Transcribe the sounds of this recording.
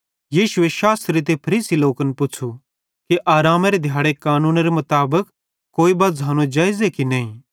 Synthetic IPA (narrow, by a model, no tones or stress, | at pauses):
jiːʃʊeʃaːst̪ɾit̪̬epʰɐɾiːsiloːkənpʊt͡ʃʰu | kiʔaːɾaːmaɾed̪ʱjaːɽekaːnũːnɾemɐt̪aːbək | kːoːibɐːzɦaːnũd͡ʒaːɪzekinɐːĩ